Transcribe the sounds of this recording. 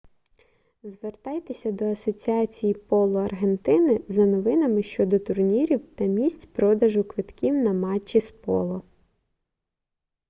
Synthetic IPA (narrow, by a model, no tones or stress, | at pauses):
zʋert̪ɑjt̪esʲɐd̪ɔɐsɔt͡sʲiɑt͡sʲijipɔlˠɔɐrɦent̪ɪnɪzɐnɔʋɪnɐmɪʃt͡ʃɔd̪ɔt̪ʊrnʲiɾʲiwt̪ɐmʲisʲtʲpɾɔd̪ɐʒʊkʋɪt̪kʲiwnɐmɑt͡ʃːispɔ̰lˠɔ